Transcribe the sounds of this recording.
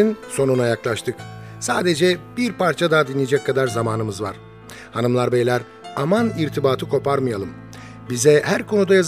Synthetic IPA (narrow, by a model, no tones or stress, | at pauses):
inso̞nunajaklˠaʃt̪ʰɯksaːd̪e̞d͡ʒɛb̥iɾpʰaɾt͡ʃʰad̪ad̪inʲːid͡ʒɛkkʰːad̪aɾzamaːnɯmɯzva̰ɾ̥ | hanɯmlˠaɾbejlʲæɾ | amaniɾt̪ʰibaːt̪ʰɯkʰo̞paɾmɯjalˠɯm | bizɛhæɾkʰo̞nud̪ajaz